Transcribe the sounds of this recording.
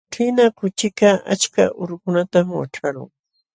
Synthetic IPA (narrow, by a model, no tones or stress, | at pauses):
ʈ͡ʂɪnakʊt͡ʃɪkaa̰t͡ʃka̰ʔʊɾʊkʊnat̪amwa̰ʈ͡ʂaɾʊ̰ŋ